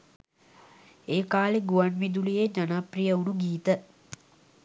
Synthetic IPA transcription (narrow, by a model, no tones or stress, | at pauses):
eːkaːleɡuʋanʋid̪ulijed͡ʒanaːprijəunuɡiːt̪ə